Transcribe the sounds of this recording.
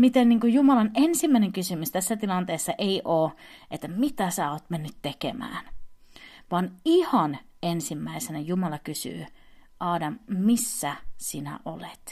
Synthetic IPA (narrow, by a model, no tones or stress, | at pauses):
mit̪enniːŋkujjumɑlɑnensimːæˑineŋkysymyst̪æsːæt̪ilɑnt̪eːsːɑʔeiʔoːʔet̪ːæmit̪æsæːoːt̪menːyt̪tekḛmæ̰ːn | ʋɑnihɑn | ensimːæisenæjumɑlɑkysy̰ː | ʔɑːdɑmmisːæsinæ̰ʔolet̪